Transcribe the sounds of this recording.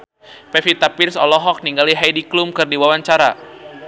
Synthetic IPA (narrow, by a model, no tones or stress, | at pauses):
pɛfit̪apirsɔlɔɦɔk̚niŋɡaliɦajdiklumkɨrdiwawaɲt͡ʃaɾa